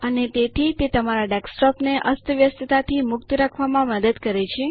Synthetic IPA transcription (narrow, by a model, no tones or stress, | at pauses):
ənet̪et̪ʰit̪et̪əmaɾaɖɛksʈɔpneʔəst̪əʋjəst̪ət̪at̪ʰimʊkt̪ɾakʰʋamãməd̪əd̪kəɾet͡ʃʰe